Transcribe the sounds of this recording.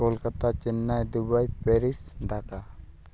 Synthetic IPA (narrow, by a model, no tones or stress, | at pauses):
ɔlkat̪at͡ʃinːajd̪ubajpɛɾisɖʱaka